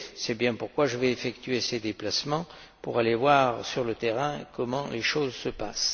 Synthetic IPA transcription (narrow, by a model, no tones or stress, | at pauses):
sɛbjɛ̃puʁkwaʒəvɛefɛkt̪ɥesed̪eplasmɑ̃ | pṵʁalevwaʁsyʁlət̪eʁɛ̃kɔmɑ̃leʃozsəpas